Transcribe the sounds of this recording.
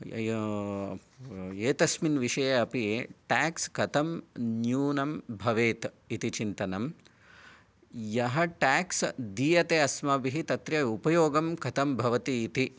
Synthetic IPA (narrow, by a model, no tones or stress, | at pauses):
eːt̪ɐsminʋiʂɐjɐɐpijeːʈaːkskɐt̪ʰɐmnjuːnɐmbʱɐʋeːt̪ | it̪it͡ʃint̪ɐnɐm | jɐɦɐʈaːksd̪iːjɐt̪eɐsmɐbiɦit̪ɐt̪ɾjɐupɐjoːɡɐmkɐt̪ɐmbʱɐʋɐt̪iːt̪i